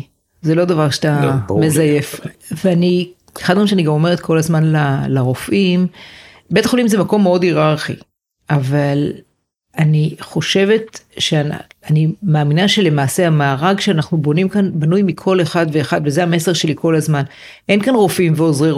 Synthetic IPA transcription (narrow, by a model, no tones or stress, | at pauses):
zelo̞d̪avaʁʃat̪amezajefveani | e̥χad̪meimʃeaniɡamo̞me̞ʁet̪̚kʰo̞lazmanlalaʁofʔim | be̞t̪aχolimzemako̞mːeo̞diʁaʁχḭ | ʔaval | aniχo̞ʃe̞ve̞tʃeanimaːminaʃe̞le̞maːse̞amaːʁaɡʃeanaχnubo̞nimkanbanujmikʰo̞leχad̪ve̞ːχad̪vezeame̞se̞ʁʃe̞likʰo̞lazman | ʔe̞nkanʁo̞fimveozʁi